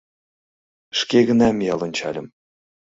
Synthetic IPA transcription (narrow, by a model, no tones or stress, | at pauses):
ʃkeɣə̆nɑmjɑlˠɤ̆nʲt͡ɕɑ̰lʲə̆m